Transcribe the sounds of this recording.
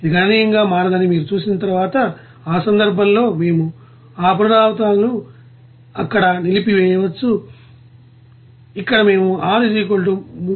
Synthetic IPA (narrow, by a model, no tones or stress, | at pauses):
id̪iɡanijɐŋɡaːmaːɾɐd̪ɐnimiːɾut͡ʃuːsinɐt̪ɐɾuʋaːt̪ɐ | aːsɐnd̪ɐɾbʱɐmlo̞ːme̞ːmu | aːp̬ɐnɐd̪aːʋɐt̪aːlnu | ɐkːɐɽɐnilipiʋɛːjɐʋɐt͡ʃːu | ikːɐɽɐme̞ːmuʔaːɾid͡ʒiːkoɭʈum